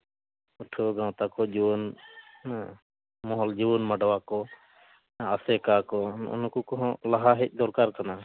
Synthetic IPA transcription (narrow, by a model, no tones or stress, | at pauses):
uʈʰəɡãw̃t̪akɔd͡ʒiwɔn | mɔɦɔld͡ʒiwɔnmaɖwakɔ | asɛkakɔṵnkukɔɦɔ̃laɦaɦɛc̚ˀd̪ɔɾkaɾkana